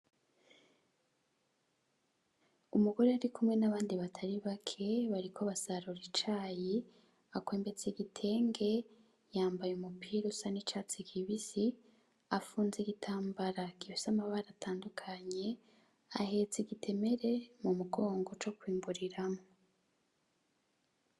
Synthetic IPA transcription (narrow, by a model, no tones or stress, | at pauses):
umuɡo̞ɾe̞aɾikʰumŋe̞naβaːndiβatʰaɾiβakʰe̞βaɾikʰoβasaɾuɾit͡ʃaːji | akweːmbe̞t͡seiɡitʰe̞ːŋɡe̞ | jaːmbajumupʰiːɾosanit͡ʃat͡sikʰiβisi | afuːnziɡitʰaːmbaɾakiβisamaβaɾatʰaːndukʰaɲe̞ | ahe̞t͡siɡitʰe̞me̞ɾe̞mumuɡo̞ːŋɡo̞t͡ʃo̞kwiːmbuɾiɾamo